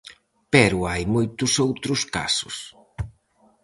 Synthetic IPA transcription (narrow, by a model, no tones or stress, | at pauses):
pɛɾʊajmojt̪ʊsowt̪ɾʊska̰sʊ̰s